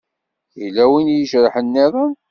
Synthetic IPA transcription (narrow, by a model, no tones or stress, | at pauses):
ilæwinjəʃɾˤəħənːiðˤɑ